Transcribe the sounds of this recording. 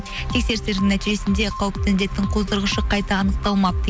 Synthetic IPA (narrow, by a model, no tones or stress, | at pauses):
t̪ʰe̞kse̞ɾseɾd̪ɪŋnæt̪iʒe̞sɪnd̪e̞qʰɑwəp̚t̪ʰænd̪e̞t̪ːɪŋqʰo̞zd̪əɾʁəʃəqʰɑjt̪ɑːnəq̚t̪ɑlˠmɑp̚t̪ʰ